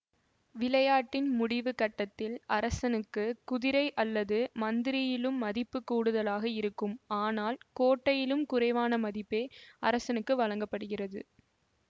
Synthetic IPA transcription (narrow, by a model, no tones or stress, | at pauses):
ʋɪlɐjaːʈːɪnmʊɽɪʋɯkɐʈːɐt̪ːɪlɐɾɐsɐnɯkːɯkʊðɪɾɐɪʔɐlːɐðɯmɐnd̪ɪɾɪjɪlɯmːɐðɪpːɯkːuːɽɯðɐlaːɣɐɪɾɯkːɯmaːnaːlkoːʈːɐjɪlɯmkʊrɐɪʋaːnɐmɐðɪpːeːɐɾɐsɐnɯkːɯʋɐɻɐŋɡɐpːɐɽɯɣɪrɐðɯ̰